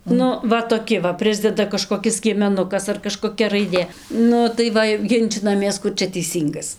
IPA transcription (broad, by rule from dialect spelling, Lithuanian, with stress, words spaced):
ˈnʊ ˈʋɐ toːˈkʲɪ ʋɐ ˈpʲrʲɪzʲdʲɛdɐ kɐʃkoːˈkʲɪs sʲkʲiɛmʲɛˈnʊkɐs ɐr kɐʃkoːˈkʲɛ rɐɪˈdʲeː ˈnʊ tɐɪ ˈʋɐ jɛʊ ˈɡʲɪnʲt͡ʃʲɪnɐmʲeːs ˈkʊr t͡ʃʲɛ tʲɛɪˈsʲiːŋɡɐs